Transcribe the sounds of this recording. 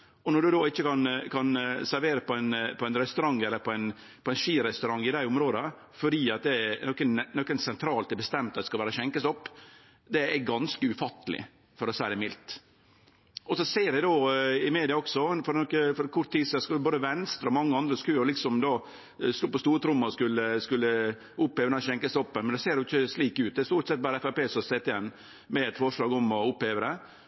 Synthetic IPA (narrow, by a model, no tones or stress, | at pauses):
ɔnɔɖ̪ʉd̪oːɪçːəkɑnkʰɑnsæɾʋeːɾəpʰɔæɪnpʰɔæɪnɾɛst̪ʉɾɑŋːɛlːəɾpʰɔæɪn | pʰɔɛɪnʂiːɾɛst̪ʉɾɑŋːɪd̪æɪʊmɾoːd̪ə | fɔɾiːɑt̪̚d̪ɛænɔkːənnɔkːənsɛnt̪ʰɾɑːlt̪ɛbəst̪ɛmt̪ɑt̪ːɛ̥skɑʋæːɾəɕɛŋkəsɔpː | d̪ɛæɾɡɑnskəʉfɑt̪ːəlɪ̰ | fɔɾɔsæɪd̪ɛmɪlt̪ | ʔɔsɔseːɾd̪ɛd̪oːɪmeːd̪ɪɑɔksɔfɔɾnɔkːəfɔɾkʰʊɾt̪ʰːiːsɛskʉboːd̪əʋɛnst̪ɾɔmɑŋːəɑnd̪ɾəskʉːɔlɪksɔmd̪oː | st̪uːpɔst̪uːɾət̪ʰɾʊmːɑɾɔskʉlːəskʉlːə | ʊpːheːʋəɾnɛɕɛŋkəsɔpːənmɛnd̪ɛseːɾdɛjʊɪçːəsliːkʉːt̪̚d̪ɛæɾst̪uːɾʈ̪sɛt̪̚bɑːɾəɛfæpeːsɔseːt̪ːɛnː | mɛɛt̪fɔʂɭɑːɡɔmɔʊpheːʋəɾɛ